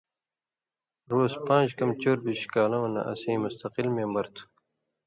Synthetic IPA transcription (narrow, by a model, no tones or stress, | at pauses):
ɾoːspãːnd͡ʑkɐmt͡ɕoːɾbiɕkaːlɐmɐnɐ̰ʔɐ̰sĩːmust̪ɐqilmeːmbɐɾt̪ʰu̥